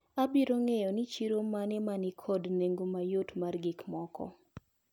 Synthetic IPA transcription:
abiɾoŋejɔnit͡ʃiɾomanɛmanɪkʰɔdneŋɡomajotmarɡɪkmɔkɔ̰

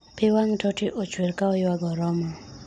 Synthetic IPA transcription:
pɪwaŋtɔtiʔot͡ʃweɾkaɔjwaɡɔɾɔmɔ

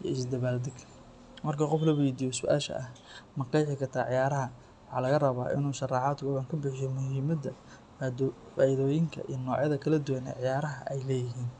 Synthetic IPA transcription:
jɐ̰ɪsd̪ɐβaːld̪ɪɡ | mɐrkʰɐqɔflɐwɛjd̪ijɔsʊʔa̰ːʃɐ̰ʔɐh | mɐqɑjħɪkʰɐrt̪ʰaːʕɪjaːɾɐɦɐ | wʊħɑ̰ːlɐɣɐrɐβaːʔɪ̰nuːʃɐrɑːʕɑːd̪ɡɔʕɐŋkʰɐbɪħɪjɔmʊɦiːmɐd̪ɐ | faːʔɪðɔːjɪŋkʰɐ̰ʔḭjnɔːʕjɐðɐkʰɐlɐd̪uwɐnɛ̰ʕɪjaːɾɐɦɐʔɛjlɛːjɪɦiːn

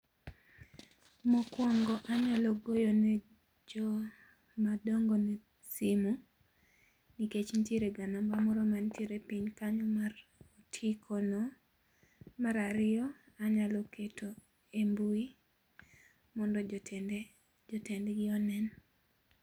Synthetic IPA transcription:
mɔkwɔŋɡɔʔaɲaloɡojonɛ | d͡ʒɔ | madɔŋɡɔne | simu | niket͡ʃntjeɾeɡanambamɔɾɔmantjeɾepiɲkaɲɔmarotʰikʰonɔ | maɾaɾɪɔ | aɲalokʰetʰo | embui | mɔndɔd͡ʒ | d͡ʒɔtɛndɛɡɪɔnɛn

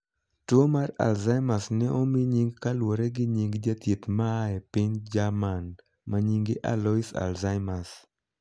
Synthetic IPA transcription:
twomara̰lzaɪmasnɛʔɔmiɲiŋɡkalwoɾɛɡɪɲiŋɡd͡ʒat̪jet̪maːɛpɪɲd͡ʒaman | maɲiŋɡɪʔa̰lɔisa̰lzaɪmas

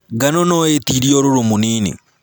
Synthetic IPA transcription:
ɡanɔnɔetiɾiɔɾoɾomoniːnḛ

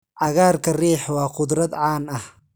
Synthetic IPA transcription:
ʕɑɣaːrkʰɐriːħwɑːqʊd̪ɾɐd̪ʕaːnɐh

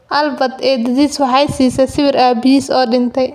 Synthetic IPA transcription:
ʔɐlbɐd̪ɛːd̪ɐðiswɑħɑjsiːsɐsɪβɪɾaːbɪjiːsɔːɖɪnt̪ʰɛj

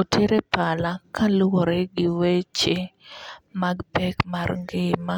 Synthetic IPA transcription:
otʰeɾepalakalʊwoɾɛɡɪwet͡ʃe | maɡbɛkmaɾŋɡɪma

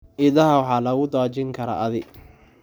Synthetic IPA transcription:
ʔɪðɐɦɐwɑħɑːlɐɣʊd̪ɔːt͡ʃɪŋkʰɐɾɐ̰ʔɐðɪɡ

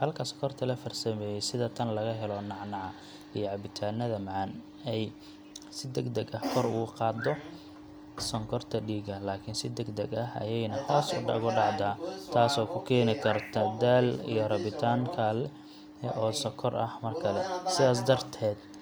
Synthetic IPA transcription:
hɐlkʰɐsɔ̥kʰɔrt̪ʰɐlɐfɐrsɐmɛːjɛjsɪðɐt̪ʰɐnlɐɣɐɦɛlɔnɑʕnɑʕɑ | ijɔʕɑbɪt̪ʰaːnɐðɐmʕɑn | ɛj | sɪd̪ɛɡd̪ɛɡɐhkʰɔɾʊ̰qɑːd̪ɔ | sɔŋkʰɔrt̪ʰɐɖiːɡɐlaːkʰɪnsɪd̪ɛɡd̪ɛɡɐɦɐ̰jɛjnɐhɔːsʊ̰ɖɑɣʊɖɑʕd̪aːt̪ʰaːsɔːkʰʊkʰɛːnɪkʰɐrt̪ʰɐd̪aːlḭjɔrɐβɪt̪ʰaːŋkʰaːlɛ | ɛʔɔːsɔkʰɔrɐhmɐrkʰɐlɛsɪðaːs̬d̪ɐrt̪ʰɛːd̪

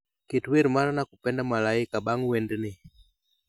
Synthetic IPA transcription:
kitwiɾimaɾanakupɛndamalaikaɓaŋɡuwɛndini

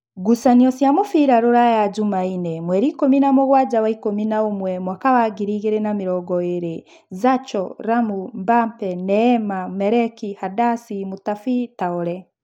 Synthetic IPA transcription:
ɡusaniɔsjamofiɾaɾoɾajad͡ʒumainɛmwɛɾikominamoɣwad͡ʒawaikominaomwɛmwakawaɡiɾiɣeɾenamiɾɔɡɔeɾe | zat͡ʃɔɾamumbampɛnɛmamɛɾɛkihadasimutafitaɔɾɛ

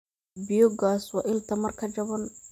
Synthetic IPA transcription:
bɪjɔɡaːswɑːʔɪlt̪ʰɐmɐrkʰɐt͡ʃɐβɔn

